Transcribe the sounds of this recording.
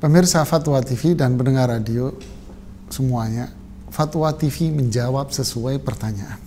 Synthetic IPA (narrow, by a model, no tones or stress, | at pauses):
pəmɪrsafat̪wat̪ifidanbəndəŋaradio | səmuaɲa | fat̪wat̪ifiməɲd͡ʒawap̚səsuajpərt̪aɲaʔan